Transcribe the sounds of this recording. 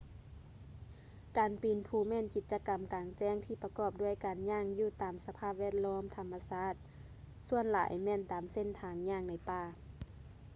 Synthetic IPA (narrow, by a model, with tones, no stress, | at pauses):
kaː˨˩npi˨˩npʰuː˧˩mɛː˧˥˨nki˨˧˩t̪̚t͡ɕa˧ka˨˩mkaː˨˩ŋt͡ɕɛː˧˩ŋt̪ʰiː˧˩pa˧kɔː˧˩p̚du˧˥˩əjkaː˨nɲaː˧˥˨ŋjuː˧˩t̪aː˨˩msa˧pʰaː˧˩p̚ʋɛː˧˩ə˨t̪̚lɔː˧˥˨mt̪ʰa˨˧˦mːa˧saː˧˥˨t̪̚ | su˧˨ənla̰ː˨˦jmɛː˧˩˨nt̪aː˨mse˧˥˨nt̪ʰaː˨˩ŋɲaː˧˩˨ŋna˧jpaː˧˩